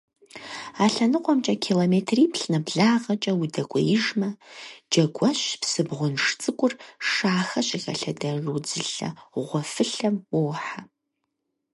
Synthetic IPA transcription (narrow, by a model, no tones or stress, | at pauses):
aːɬɐnɨqʷʼɔmt͡ʃʼɐkʰiloːmeːtʰriːpɬnɐbɮaːʁɐt͡ʃʼɐwudɐkʷʼɔ̰jɪʒmɐd͡ʒɐɡʷɐɕpsɨbʁʷʊnʂt͡sʼɨkʷʼʊrʂaːxɐɕʼɪxɐ̰ɬɐdɐʒuːd͡zɨɬɐ̰ʁʷɔfɨɬɐmwʊwħa